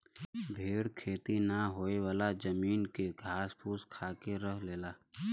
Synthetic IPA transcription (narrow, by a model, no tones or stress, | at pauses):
bʱeːɽkʰeːt̪inaɦoːewaːlad͡ʒɐmiːnkeɡʱaːspʰuːskʰaːkeɾəɦleːlaː